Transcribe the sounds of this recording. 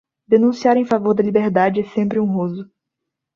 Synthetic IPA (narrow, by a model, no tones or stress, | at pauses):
d̪enũsiaɾẽj̃favoɾd̪ɐlibeɾd̪ad͡ʒɪɛsẽmpɾɪũɦozʊ